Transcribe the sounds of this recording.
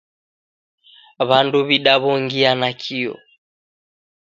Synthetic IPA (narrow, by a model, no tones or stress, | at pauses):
βanduβiɗaβɔŋɡianakʰiɔ̰